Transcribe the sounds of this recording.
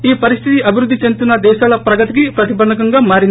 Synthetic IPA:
iːpɐɾist̪ʰit̪iʔɐbʱiɾud̪ʱːit͡ʃe̞nt̪unːɐd̪ɛːʃaːlɐpɾɐɡɐt̪ikipɾɐt̪ibɐd̪ɐkɐŋɡaːmaːɾin

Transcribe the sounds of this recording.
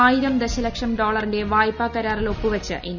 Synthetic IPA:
aːjiɾɐmd̪eɕɐlɐkʂɐmɖo̞ːɭɐrindeʋaːjpːaːkːɐɾaːrilo̞pːuʋɐt͡ɕːɨ̰ʔen

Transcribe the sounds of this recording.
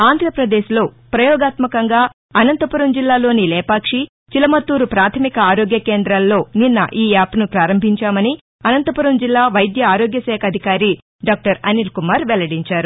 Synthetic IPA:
aːnd̪ʱɾɐpɾɐd̪eːʃlo̞ː | pɾɐjɔːɡaːt̪mɐkɐŋɡaː | ɐnɐnt̪ɐpuɾɐmd͡ʒilːaːlo̞ːnilɛːpaːkʂi | t͡ʃilɐmɐt̪ːuːɾupɾaːt̪ʰɐmikɐaːɾoːɡjɐkeːnd̪ɾɐlːo̞ːninːɐ̰ʔiːaːpnupɾaːɾɐmbʱiɲt͡ʃaːmɐni | ɐnɐnt̪ɐpuɾɐmd͡ʒilːaːʋɐjd̪jɐaːɾoːɡjɐsɛːkʰɐd̪ʱikaːɾi | ɖaːk̚ʈɐɾɐnilkumaːɾʋɛlɐɽiɲt͡ʃaːɾu

